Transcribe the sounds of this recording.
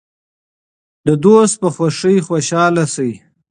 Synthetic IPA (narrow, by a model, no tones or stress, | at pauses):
d̪əd̪ost̪̚pəxwaʂəjxwaʃɑːlasəji